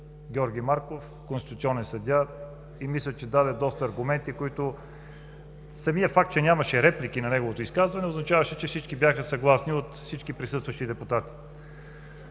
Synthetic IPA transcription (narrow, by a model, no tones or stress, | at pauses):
ɡʲɔɾɡʲimaɾkof | konst̪it̪t̪sʲiɔnɛnsɐd̪ʲa | imislʲət͡ʃɛd̪ad̪ɛd̪ɔst̪əːɾɡʊmɛnt̪ikoit̪ʊ | sɐmiəfak̚t̪t͡ʃɛnʲamɐʃɛɾɛplik̟inɐnɛɡovot̪ʊiskazvɐnɛoznɐt͡ʃavɐʃɛt͡ʃɛfsit͡ʃkibʲjaxəsɐɡlˠasniot̪fsit͡ʃkipɾisɤst̪vɐʃt̪id̪ɛput̪at̪i̥